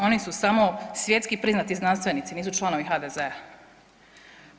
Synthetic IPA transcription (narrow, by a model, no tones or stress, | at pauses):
o̞nisusamosʋje̞t̪skipɾiznat̪iznanst̪ʋe̞niːt̪siniːsut͡ʃlˠano̞ʋixad̪ezea